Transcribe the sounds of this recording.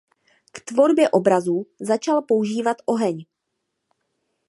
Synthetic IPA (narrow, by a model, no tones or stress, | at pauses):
kt̪vo̞ɾbjɛʔo̞bɾazuːzat͡ʃalpo̞uʒiːvat̪ʔo̞ɦɛɲ